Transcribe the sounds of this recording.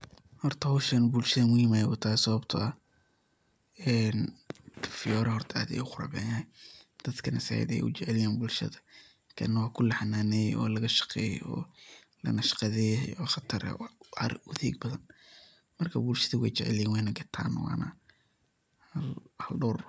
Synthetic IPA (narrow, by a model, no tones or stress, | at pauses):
hɔrt̪ʰɐhʊʃɐnbulʃɐðɐmʊhimaːjɛwɔt̪ʰasɐβɐbt̪ʰɐɐ | ɛːn | fɪjɔːɾɐhɔrt̪ʰɐa̰ːd̪ɛ̰jʊqʊɾɐ̰ːbɛ̰ːnɛjd̪̥ɐd̪kʰɐnɐsa̰ːjɐ̰d̪ɛ̰jʊt͡ʃɛʕɛlɪjaːnbʊlʃɐ̰ðɐ | kʰɐ̰nɐwɑːkʰʊlɐħanaːnɛːjʔɔ̰ːlɐɣɐʃɐ̥qɛːjɔ̰ː | lɐ̰nɐʃqɑðɛjɔxɐt̪ʰɐr̰ɐ̰ɾʊðiːɡ̚bɐðɐn | mɐrkʰɐbulʃɐðɐwɛ̰jt͡ʃɛʕɛ̰lɪjɛːnwɛjnɐɡɐt̪ʰa̰ːnwɑ̰ːnɐ̰ | hɐlhɐlɖɔːr